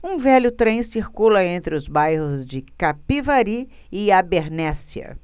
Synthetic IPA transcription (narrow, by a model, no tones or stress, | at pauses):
ũvɛlʊt̪ɾẽj̃siɾkulɐẽnt̪ɾɪʊzbajhʊzd͡ʒɪkapivaɾi | ɪabeɾnɛsiɐ̰